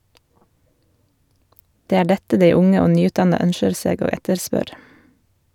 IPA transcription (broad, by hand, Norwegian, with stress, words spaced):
ˈdeː ˈæː ˈɖɛtə ˈdeɪ ˈʊŋə ˈoː ˈnyːˌʉːtˌdɑnɑ ˈœnʃəɾ ˈseːɡ ˈoː ˈɛtəɾˌspœɾ